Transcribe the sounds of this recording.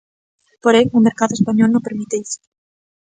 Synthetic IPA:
poɾejŋumeɾkaðoespaɲolnõpeɾmit̪eis

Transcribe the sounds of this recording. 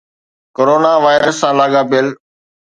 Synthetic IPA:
koːɾoːnaːʋaːɪɾəsːãːlaːɠaːpɪəl

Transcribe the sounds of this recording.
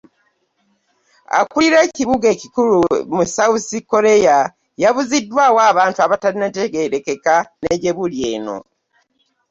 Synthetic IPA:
a̰kuliɾe̞ːciβuɡe̞ːcikulumusausiko̞ɾe̞ja | jaβuzidːwawaːβaːntuaβataɾineteɡeɾeke̞kaneɟe̞βulje̞ːno̞̰

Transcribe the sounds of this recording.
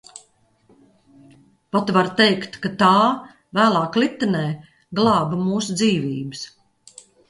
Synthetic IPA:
pat̪vaɾt̪ejkt̪kat̪aː | væːlˠɑːklit̪ːɨnɛː | ɡlˠɑːbmuːsud̪ziːviːbɨs

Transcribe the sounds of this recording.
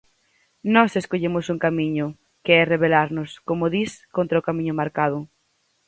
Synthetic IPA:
nɔseskoʎemʊsuŋkamiɲʊ | keɛreβelaɾnʊskomoðiskõnt̪ɾaokamĩɲʊmaɾkað̞ʊ

